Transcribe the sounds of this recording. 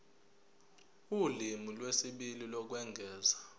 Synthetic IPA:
ulimulwesiɓililɔk̬wɛŋɡʱɛːza

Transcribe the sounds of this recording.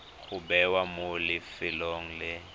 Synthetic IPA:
kʰubɛwamolɪfɪloŋ̩lɪ

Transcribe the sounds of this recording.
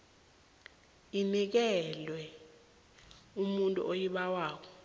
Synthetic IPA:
inik̬ɛlwɛ | umuntʼṵʔojiɓawaːk̬ɔ

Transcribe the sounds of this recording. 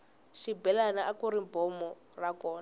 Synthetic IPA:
ʃibɛlanaʔakuɾimbɔmɔ | rakɔːna

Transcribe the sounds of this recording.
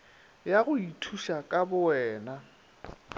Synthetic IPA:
jaɣʊitʰuʃakʼabʊɛːna

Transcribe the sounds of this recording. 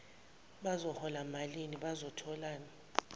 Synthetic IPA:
ɓazɔhɔlamaliniɓazɔtʰɔlaːna

